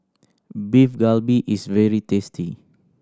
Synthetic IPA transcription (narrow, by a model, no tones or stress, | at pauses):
bifɡalbiʔisvɛɹitɛstʰi